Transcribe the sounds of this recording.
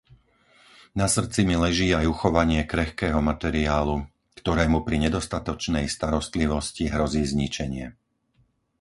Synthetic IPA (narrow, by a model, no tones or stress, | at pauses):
nasr̩t͡similɛʒiːajuxɔʋaɲɪɛkɾɛxkɛːɦɔmat̪ɛɾiaːlu | kt̪ɔɾɛːmupɾiɲɛd̪ɔst̪at̪ɔt͡ʃnɛjst̪aɾɔst̪liʋɔsciɦɾɔziːzɲit͡ʃɛɲɪɛ